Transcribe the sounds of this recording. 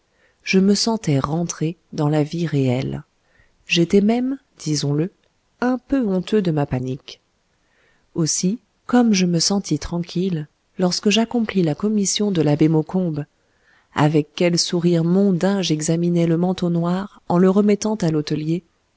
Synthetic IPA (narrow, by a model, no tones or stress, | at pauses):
ʒ̥əməsɑ̃t̪ɛʁɑ̃t̪χed̪ɑ̃laviʁeɛl | ʒet̪ɛmɛm | d̪̥izɔ̃lə | ɛ̃pøɔ̃t̪ød̪əmapanik | osi | kɔmʒəməsɑ̃t̪it̪χɑ̃kʲʰilː | ɔʁskəʒakɔ̃plilakɔmisjɔ̃d̪əlabemokɔ̃b | a̰vɛkːɛlsuʁiʁmɔ̃d̪ɛ̃ʒɛɡzaminɛləmɑ̃t̪onwaʁ | ɑ̃ləʁəmɛt̪ɑ̃t̪alot̪əlje